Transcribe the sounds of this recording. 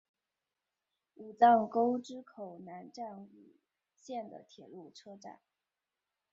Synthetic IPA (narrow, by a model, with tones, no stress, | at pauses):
u˨˩t͡sɑ˥˩ŋko˥ʊʈ͡ʂɻ̩˥kʰo˨˩ʊna˧˥nʈ͡ʂa˥˩nu˨˩ | ɕjɛ˥˩nd̪ə̰˩t̪ʰjɛ˨˩lu˥˩ʈ͡ʂʰɤ˥ʈ͡ʂa̰˨˩˦n